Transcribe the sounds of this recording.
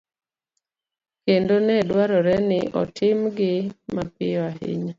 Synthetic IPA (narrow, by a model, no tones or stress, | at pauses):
kendonɛdwaɾɔɾɛnɪʔɔ̰tʰɪmɡɪmapɪɔaɦɪ̰ɲɔ